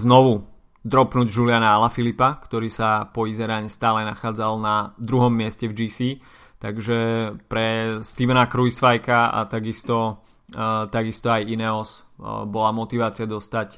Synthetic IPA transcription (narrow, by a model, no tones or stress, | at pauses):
znɔʋu | d̪ɾɔpnuːɟʒulɪanaalafilipakt̪ɔɾiːsapɔizɛɾaɲɛst̪aːlɛnaxaːd͡zalnad̪ɾuɦɔmːɪɛscɛvd͡ʒiːsiː | t̪aɡʒɛpɾɛst̪iʋɛnakɾujsʋajkaa̰t̪aɡist̪ɔ | t̪aɡist̪ɔajinɛɔsbɔlamɔt̪iʋaːt͡sɪad̪ɔst̪ac